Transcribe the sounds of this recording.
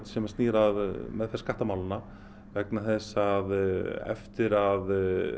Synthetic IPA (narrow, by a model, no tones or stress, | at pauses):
t̪sɛmast̪niːɾaðmɛðθɛsːkaht̪amawlɪna | vɛknaθɛsaðɛ̰ft̪ɪɾað